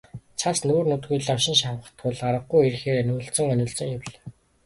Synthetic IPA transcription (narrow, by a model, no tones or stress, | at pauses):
t͡sʰasnuːrnʊt̪ɡujɮawʃɪ̆nʃawə̆χt̪ɢʊɮaɾə̆ɡɡujerxeːɾenuːɬt͡sɵ̆ŋœnʲɪ̆ɮt͡sɵ̆ŋawɮ